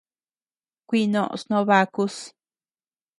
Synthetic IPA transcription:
kʷi˦˧nõ̰˦˧ʔsnõ˦βa˧ku˦s

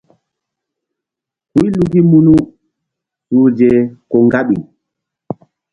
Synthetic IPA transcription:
ku˦i˦lu˨ɡi˦mu˦nu˦ | su˨d͡ʒɛ˨kɔ˨ŋɡa˦ɓi˨ŋ

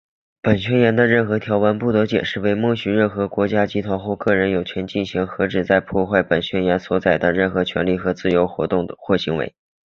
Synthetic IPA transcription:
pə˨˩nɕɥɛ˥njɛ˧˥nd̪ə˧ɻə˥˩nxɤ˧˥t̪ʰjɑ˧˥ʊwa˧˥npu˥˩t̪ɤ˧˥t͡ɕjɛ̰˨˩nʂɻ̩˥˧we˥ɪmɔ˥˩ɕy˧˥ɻə˥˩nxɤ˧˥kwɔ˧˥t͡ɕja˥t͡ɕi˥t̪ʰwa˧˥nxwɔ˥˧kɤ˥˩ɻə˧˥njo˨˩ʊt͡ɕʰɥɛ˧˥nt͡ɕi˥˩nɕi˧˥ŋxɤ˧˥ʈ͡ʂɻ̩˨˩t͡sa˥˧ɪpʰwɔ˥˧xwa˥˩ɪpə˨˩nɕɥɛ˥njɛ˧˥nswɔ˧˥t͡sa˨˩ɪd̪ə˦ɻə˥˩nxɤ˧˥t͡ɕʰɥɛ̰˧˥nli˥˩xɤ˧˥t͡sɹ̩˥˩jo˧˥ʊxt̪ʊ˥˩ŋxwɔ˥˩ɕi˧˥ŋwḛ˧˥ɪ

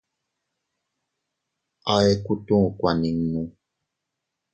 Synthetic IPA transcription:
ɔ˦ɛ˨ku˦tũ˦˨kwa˨ni˨ŋ˨ŋũ˨

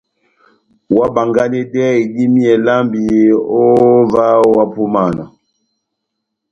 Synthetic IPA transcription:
wa˦ba˨ŋɡa˦nɛ˦dɛ˦˨ɡi˦mi˦ɛ˨la˦mbi˨o˦va˦wa˦pu˦ma˦˨na˨

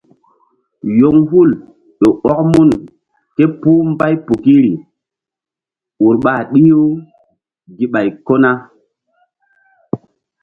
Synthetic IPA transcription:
jo˦ŋɦu˦˨l | ɗo˨ɔ˦k̚mu˦n | ke˦puː˦mba˦jpu˨ki˦ɾi˨ | u˨ɾɓa˨ɗi˦jo˦ | ɡi˦ɓa˨jko˦na˦

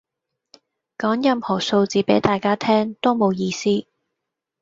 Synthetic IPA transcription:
kɔː˨˥ŋjɐ˨mhɔː˨˩so˧wt͡siː˨˥pe˨˥jt̪aː˨jkaː˥t̪ʰɛː˥ŋt̪o˥wmo˨˧wjiː˧siː˥

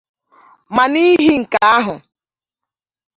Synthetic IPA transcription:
ma˨ni˦ɦi˦ŋ̩˨ka˨a˦ɦʊ˨

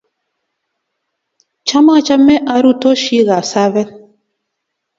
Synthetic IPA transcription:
t͡ʃa˦ma˦˨t͡ʃa˦mɛ˦ʔa˨ɾu˦tɔ˦ʃi˦ɣa˨sa˦βɛ˦

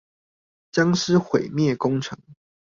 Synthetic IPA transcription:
t͡ɕjɑ˥ŋʂɻ̩˥˩xwe˨˩ɪmjɛ˥˨˩kʊ˥ŋʈ͡ʂʰɤ˧˦ŋ

